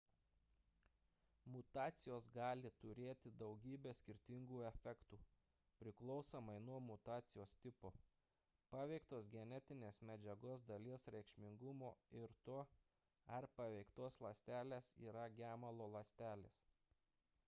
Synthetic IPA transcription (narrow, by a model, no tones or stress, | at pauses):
mʊt̪ɑːt̪sʲɪjoːsɡɑːlʲɪt̪ʊɾʲeːt̪ʲɪd̪ɒʊɡʲiːbʲeːsʲkʲɪɾʲt̪ʲɪŋɡuːɛfʲɛkt̪uː | pʲɾʲɪklˠɔʊsɐmɐɪnuɔmʊt̪ɑːt̪sʲɪjoːst̪ʲɪpoː | pɑːʋʲɛɪkt̪oːsɡʲɛnʲɛt̪ʲɪnʲeːsmʲɛd͡ʒʲɛɡoːs̬d̪ɐlʲiɛsɾʲɛɪkʃʲmʲɪŋɡʊmoːɪɾt̪oː | ɐɾpɐʋʲɛɪkt̪oːslˠɐsʲt̪ʲæːlʲeːsḭːɾɐɡʲæːmɐlˠoːlˠɐsʲt̪ʲæːlʲḛːs